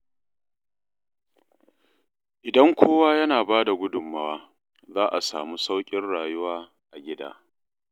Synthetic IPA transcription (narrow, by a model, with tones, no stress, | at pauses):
ʔɪ˨dɐ˦ŋkʷʰoː˦waː˦jɐ˦naː˨baː˦da˨ɡʷʊ˦dʊ˨mːɐ˦waː˦ | zaː˦ʔa˨sa̰ː˨mu˦sa˦wkʲʼɪ˦nɽaː˨jʊ˦waː˦ | ʔa˨ɡʲɪ˦da̰ː˦